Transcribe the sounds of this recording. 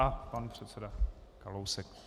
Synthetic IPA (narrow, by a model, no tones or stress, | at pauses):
apanpr̥ɛt̪sɛdakalowsɛk